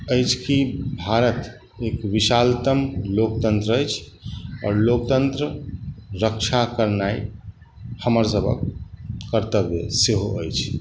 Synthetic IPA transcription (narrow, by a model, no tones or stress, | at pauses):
əjt͡ʃʰkibʱaɾət̪ | ekʋiʃalt̪əmlokt̪ənt̪ɾəəjt͡ʃʰ | ɔ̰ːɾlok̚t̪ənt̪ɾəɾəkt͡ʃʰakəɾnai | həməɾsəbʱə̰kː | əɾt̪əbḛseɦoəjt͡ʃʰ